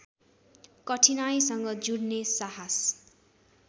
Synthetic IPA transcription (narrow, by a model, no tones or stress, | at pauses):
kʌʈʰinajsʌŋɡʌd͡zuɽnesaɦas